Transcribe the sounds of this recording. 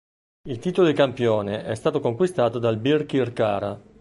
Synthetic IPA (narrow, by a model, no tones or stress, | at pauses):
ilt̪iːt̪olod̪ikampjoːneʔɛst̪aːt̪okoŋkwist̪aːt̪od̪albirkirkaːɾa